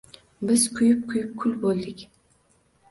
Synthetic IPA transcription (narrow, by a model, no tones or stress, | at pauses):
bɪz̥kʰʊjɪp̚kʰʊjɪp̚kʰʊlbolˠd̪ɪkʲ